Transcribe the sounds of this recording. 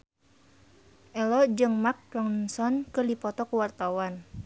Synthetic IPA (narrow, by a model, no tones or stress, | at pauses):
ʔɛlɔd͡ʒɨŋmak̚ɾɔŋsɔnkɨrdipɔt̪ɔkuwart̪awan